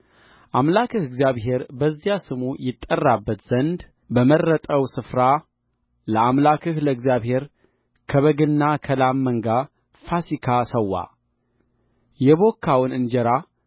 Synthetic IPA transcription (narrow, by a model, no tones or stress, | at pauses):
ʔamlakʰɨhɨɡzjaβɦe̞ɾbəzːijasɨmujɪt̪ʼːərːabːət̪z̥ənd̪ | bəmərːət̪ʼəwsɨfɾa | ləamlakʰɨhləɨɡzjaβhe̞ɾ | kʰəβəɡɨnːakʰəlamːəŋɡa | fasikʰasəwːa̰ | jɛβo̞kʰːawnɨnd͡ʒɛɾa